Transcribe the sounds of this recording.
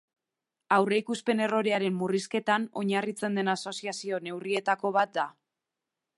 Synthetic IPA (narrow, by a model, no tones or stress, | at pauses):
awre̞ikuspe̞ne̞ro̞ɾe̞aɾe̞mːuriske̞t̪ano̞ɲarit͡se̞nd̪e̞naso̞siasio̞ne̞wrie̞t̪ako̞β̞at̪̚d̪a